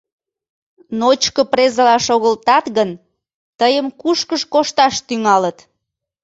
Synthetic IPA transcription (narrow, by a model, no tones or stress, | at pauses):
not͡ɕkəprezəlɑʃoɣəlt̪ɑt̪ɣən | t̪əjəmkuʃkəʃkoʃt̪ɑʃt̪yŋɑlət̪